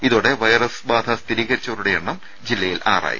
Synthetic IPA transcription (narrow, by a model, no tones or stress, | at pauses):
iðoːɽe̞ʋɐjɐrɐsbaːd̪ʱɐst̪ʰiɾiːɣɐɾit͡ɕːɐːɾuɽejeɳɐm | d͡ʑilːɐjila̰ːra̰ːjḭ